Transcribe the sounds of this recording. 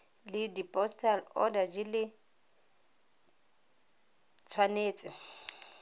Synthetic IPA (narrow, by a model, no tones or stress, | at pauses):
lɪdipʼɔstʼalɔ̰dad͡ʒɪlɪ | t͡sʰwaneːt͡sʼɪ